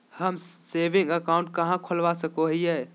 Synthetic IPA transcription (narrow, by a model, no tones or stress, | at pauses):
həmsebĩŋɡəkaũɳʈ̚kəɦãkʰolʋasəkoɦijɛ